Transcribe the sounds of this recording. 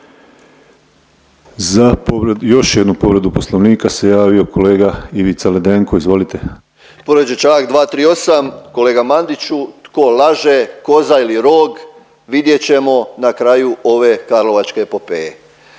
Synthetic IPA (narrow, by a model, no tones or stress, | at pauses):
zapoɾejo̞ʃjed̪nupo̞ʋɾe̞d̪upo̞sloʋniːkase̞jaːʋio̞kʰo̞le̞ːɡaiʋit̪saled̪eŋkoizʋo̞lit̪e̞ | poɾod͡ʑet͡ʃakd̪ʋaːt̪ɾiːo̞samko̞leːɡamand̪it͡ʃut̪ko̞lˠaʒeko̞zailiɾo̞ːɡ | ʋid̪je̞t͡ɕe̞mo̞nakɾajuo̞ʋe̞kaɾlo̞ʋat͡ʃke̞popeje